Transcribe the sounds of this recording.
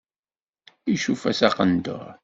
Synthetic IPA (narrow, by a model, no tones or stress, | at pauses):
iʃufæsæqənd̪ə̰ʁ